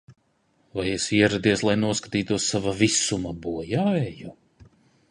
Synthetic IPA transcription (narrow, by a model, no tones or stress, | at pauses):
vajesiɛɾad̪iɛslˠajnuɔskḁt̪iːt̪uɔsːavavisumabuɔjaɛju